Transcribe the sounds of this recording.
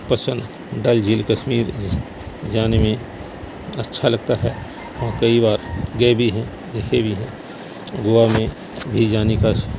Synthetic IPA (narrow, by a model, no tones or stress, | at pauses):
pəsə̃n | ɖɐld͡ʒiːlkəʃmiːɾ | d͡ʒaːnemẽ | ətːʃʰalɐɡt̪aɦɛː | ɦãːkɐibaːɾɡəebʱiɦɛ̃ | d̪eːkʰebʱiɦɛ̃ | ɡoamẽ | bʱid͡ʒaːnikaʃ